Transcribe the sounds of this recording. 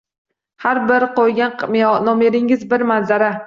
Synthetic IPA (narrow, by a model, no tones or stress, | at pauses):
haɾbɪɾqojɡʲanmnɒmeɾɪŋɪzbɪɾmanzaɾa